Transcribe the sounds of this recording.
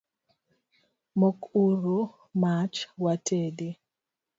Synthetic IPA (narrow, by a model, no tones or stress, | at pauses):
mokuɾo | mat͡ʃwatʰede